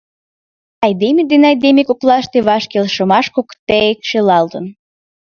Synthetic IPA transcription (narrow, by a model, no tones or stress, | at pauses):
ɑjd̪emʲed̪enɑjd̪emʲekoklɑʃt̪eβɑʃkelʃə̆mɑʃkokt̪eekʃelɑld̪ən